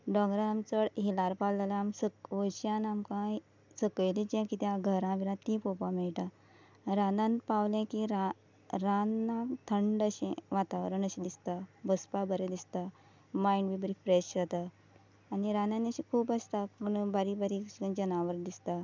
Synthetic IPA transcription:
ɖɔ̃ɡɾaamt͡səɽɦilaɾpalalaamsəkʋəɕjãnamkã | səkəjlid͡ʑẽkit̪jãɡʱəɾãʋiɾãt̪ĩpɔpãmɛɭʈã | ɾanãnpawlɛ̃kiɾa | ɾanat̪ʰəɳɖəɕẽʋat̪aʋɾəɳəɕẽd̪ist̪abəspabəɾed̪ist̪a | maiɳɖʋibəɾifɾeɕjət̪aː | niɾananəɕikʰuːpəst̪akuɳbaɾibaɾikd͡ʑənaʋəɾd̪ist̪a

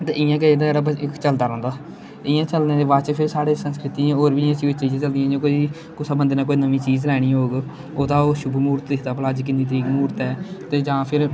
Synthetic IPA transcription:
t̪ḛːʔɪjãːk̬əd̪ɛːɾaːbəɪkt͡ʃəld̪aːɾə̃ːnd̪aː | ɪjãːt͡ʃəlneːd̪eʋaːt͡ʃpʰɪɾsaːɽeːsənskɾɪt̪ĩːoːɾbiːjãːt͡ʃiːɪt͡ʃiːd͡ʒẽːt͡ʃəld̪ijãːd͡ʒoːkoːiː | kʊsabə̃nd̪naːkoːiːnəmĩːt͡ʃiːzlɛːɽ̃ĩːɦoːɡ | oːt̪ãːoːʃʊbumuːɾt̪eːkʰt̪aːpəlaːd͡ʒk̬ɪnĩːt̪əɾiːkmuːɾt̪ɛːt̪eːd͡ʒãːpʰɪɾ

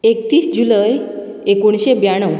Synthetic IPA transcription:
ekt̪iːsd͡ʑuləj | ekoɳ̃ɕebjaɽ̃əw

